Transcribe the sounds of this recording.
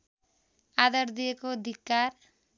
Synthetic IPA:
ad̪ʌɾd̪ijekod̪ʱikːaɾ

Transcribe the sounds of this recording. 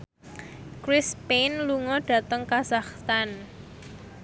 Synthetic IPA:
kɾɪspenluŋɔɖ̥ä̤t̪əŋkazaχt̪an

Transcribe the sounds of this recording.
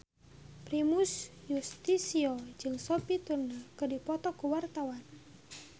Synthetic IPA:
pɾimusjust̪isiɔd͡ʒɨŋsopit̪urnakɨdipɔt̪ɔkuwart̪awan

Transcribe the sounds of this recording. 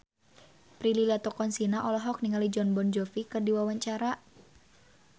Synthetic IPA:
pɾililiat̪ɔkɔnsinaʔɔlɔɦɔk̚niŋalid͡ʒɔnbɔnd͡ʒɔfikɨrdiwawaɲt͡ʃaɾa

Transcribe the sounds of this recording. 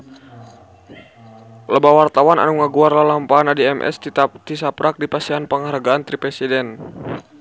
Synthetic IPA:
ləbawart̪awana̰nuŋaɡuarlalampaanadiɛmʔɛ̰st̪it̪isapɾak̚dipasianpəŋaɾaɡaant̪ɾipɾɛsidɛn

